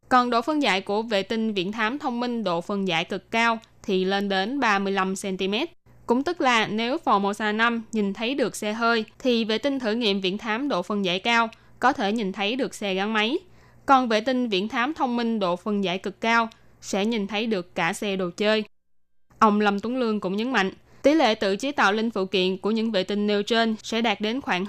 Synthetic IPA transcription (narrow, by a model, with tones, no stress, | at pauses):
kɔ˨˩nɗo̰˧˨fə˧nza̰ː˧˨jku˧˩əvḛ˧˨t̪ï˧ŋ̟vḭ˧˨ənt̪ʰaː˨˦mt̪ʰə˧wŋ͡mmï˧ŋ̟ɗo̰˧˨fə˨˩nza̰ː˧˨jkɨ˨˩kːaː˧w | t̪ʰi˨˩le˧nɗe˨˦nɓaː˧mɨ˧əjla˧msɛ˧nt̪i˧mɛ˦˥t̚ | kʊ̰˧˥ŋ͡mt̪ɨ˦˥k̚laː˨˩ne˨˦wfɔ˨˩mo˨˩t̚saː˧˩na˧mɲi˨˩nt̪ʰə˨˦jɗɨ˨˩ək̚sɛ˧ɦəː˧jt̪ʰi˨˩vḛ˧˨t̪ï˧ŋ̟t̪ʰɨ˧˩ŋḭ˧˨əmvḭ˧˨ənt̪ʰaː˨˦mɗo̰˧˨fə˨˩nza̰ː˧˩jkaː˧w | kɔ˨˦t̪ʰe˧˩ɲi˨˩nt̪ʰə˨˦jɗɨ˨˩ək̚sɛ˧ɣa˨˦ŋma˨˦j | kɔ˨˩nvḛ˧˨t̪ï˧ŋ̟vḭ˧˨ənt̪ʰaː˨˦mt̪ʰə˧wŋ͡mmï˧ŋ̟ɗo̰˧˨fə˨˩nza̰ː˧˩jkɨ˨˩kːaː˧w | sɛ̰˧˥ɲi˨˩nt̪ʰə˨˦jɗɨ˨˩əkːaː˧˩sɛ˧ɗo˨˩t͡ɕəː˧j | ʔə˧wŋ͡mlə˧˩mt̪u˨˦ŋlɨ˧əŋkʊ̰˧˥ŋ͡mɲə˨˦nma̰˧˨ŋ̟ | t̪i˨˦lḛ˧˨t̪ɨ̰˧˨t͡ɕi˨˦t̪a̰ː˧˨wlï˧ŋ̟fṵ˧˨kḭ˧˨ənku˧˩əɲɨ̰˧˥ŋvḛ˧˨t̪ï˧ŋ̟ːe˧wt͡ɕe˧nsɛ̰˧˥ɗaː˨˩t̚ɗe˨˦nxwaː˧˩ŋ